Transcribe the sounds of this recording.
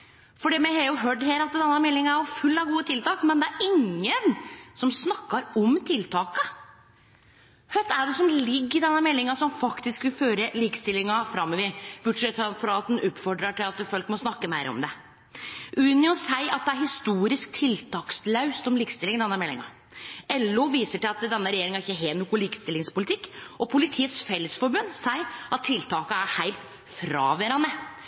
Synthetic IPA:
fɔɖɛːmɛhɑɾjʊɦøːʈːheːlɑt̪̚d̪ɛnːəmɛlːɪŋɑæɾjʊfʉlːɑʋɡuːət̪ʰɪlt̪ɑːkmɛnd̪ɛæɾʔɪŋːənsɔmsnɑkːɑɾɔmt̪ʰɪlt̪ʰɑːkə | hœt̪ːæɖɛsɔmlɪɡːɪd̪ɛnːəmɛlːɪŋɑsɔmfɑkt̪ɪskʋɪlføːɾəliːkst̪ɪlːɪŋɑfɾɑmːɔʋɪb̥ʊʈʂɛt̪ːfɑfɾɑɑt̪d̪ɛnʔʉp̪fɔɖɾɑʈɪlɑt̪fɔlkmɔsnɑkːəmæɪɾə̰ɔ̰md̪ɛ | ʔʉːnəɔsæɪʔɑt̪̚d̪ɛæɾhɪst̪uːɾɪsk̚t̪ʰɪlt̪ʰɑːkslɑʉst̪ɔmliːkst̪ɪlɪŋd̪ɛnːəmɛlːɪ̰ŋɑ̰ | ɛlːʊʋiːsəʈɪlɑt̪d̪ɛnːəɾɛjeːɾɪŋæɾɪçːəɦeːnʊkʊliːkst̪ɪlɪŋspʊlɪt̪ʰɪkːʔɔpʰʊlɪt̪ʰiːət̪sfɛləsfɔɾbʉnːsæɪɑt̪ʰːɪlt̪ʰɑːkəæɾhæɪlt̪ | fɾɑːʋɛɾɑnə

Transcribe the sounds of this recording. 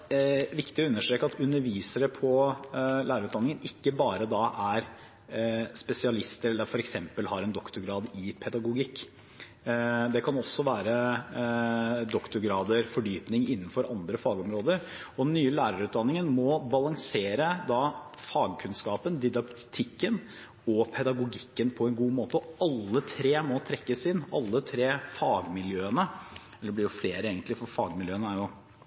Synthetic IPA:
ʋɪkt̪ɪɔʉnːəʂʈɾeːkɑt̪ʰʉnːəɾʋiːsəɾəpʰɔlæːɾʉːt̪d̪ɑnːɪŋənɪkːəbɑːɾəd̪ɑʔæɾ | spɛsɪɑlɪst̪əɾɛlːəfɔɾɛksɛmpəlhɑɾɛnd̪ɔkt̪ʊɾɡɾɑːd̪ɪpʰɛd̪ɑɡʊɡɪkː | d̪ɛkʰɑnɔsːɔʋæːɾə | d̪ɔkt̪ʊɾɡɾɑːd̪əɾfɔɖyːpnɪŋɪnːən̩fɔɾʔɑnd̪ɾəfɑːɡɔmɾoːd̪əɾɔnːyːəlæːɾɑɾʉːt̪d̪ɑnːɪŋənmɔbɑlɑŋseːɾəd̪ɑfɑːɡkʰʉnskɑːpənd̪ɪd̪ɑkt̪ʰɪkːən | ɔpʰɛd̪ɑɡʊɡɪkːənpʰɔɛnɡuːmoːt̪əɔɑlːət̪ʰɾeːmɔt̪ʰɾɛkːəsɪnːɑ̰lːət̪ʰɾeːfɑːɡmɪljøːənə | ɛld̪ɛblɪɾjʊfleːɾəeːɡənt̪lɪfɔɾfɑːɡmɪljøːənəæɾjʊ

